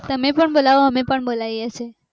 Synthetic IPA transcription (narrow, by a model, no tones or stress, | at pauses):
t̪əmẽpəɳbolaʋoɦəmẽpəɳbolaiəsʰe